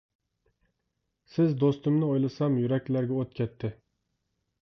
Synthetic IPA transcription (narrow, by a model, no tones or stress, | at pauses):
sɪzd̪ost̪ʊmnɪojlˠɨsɑmjyɾɛkʲlæɾɡʲɛot̪̚kʲʰɛt̪ʰːɪ